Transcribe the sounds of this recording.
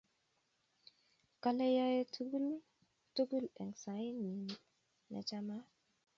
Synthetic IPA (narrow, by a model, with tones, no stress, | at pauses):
ka˦le˦ja˦je˦tɡu˦l | tu˦ɡu˦lɛ˨ŋsa˨˦i˦ni˨n | na̰˨t͡ʃa˦ma˦